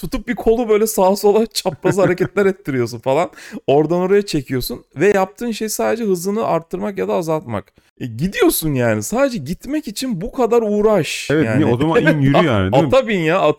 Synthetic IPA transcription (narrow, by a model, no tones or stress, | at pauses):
t̪ʰut̪ʰup̚bikʰo̞lˠubø̞jlʲɛsaːso̞lˠant͡ʃʰapɾazɯhaɾecɛt̪lʲæɾɛt̪ʰːiɾijo̞s̬unfalˠano̞ɾd̪ano̞ɾajat͡ʃʰe̞cʰijo̞sunvɛjap̚t̪ʰɯːnʃe̞jisaːd̪e̞d͡ʒɛɦɯzɯnɯʔaɾt̪ʰːɯɾmakjad̪aːzalˠt̪ma̰k | ɟid̪ijo̞sunjaːnisaːd̪ed͡ʒɛɟit̪mɛcit͡ʃʰinbukʰad̪aɾuːɾaʃɛvɛanot̪omainjyɾyja̰ːnɪd̪aabinjaa